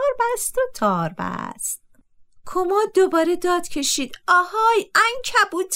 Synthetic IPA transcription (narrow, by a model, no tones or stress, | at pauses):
ɾbæst̪ot̪ʰɒːɾbæ̰st̪̚ | kʰomɒːd̪obɒːɾed̪ɒːd̪̥cʰe̞ʃiːd̪ɒːhɒːjæŋcʰæbuːt̪ʰ